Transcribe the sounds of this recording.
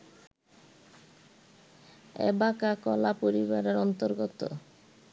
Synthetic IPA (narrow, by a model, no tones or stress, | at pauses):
ḛbakakɔlapoɾibaɾeɾɔnt̪oɾɡot̪o̰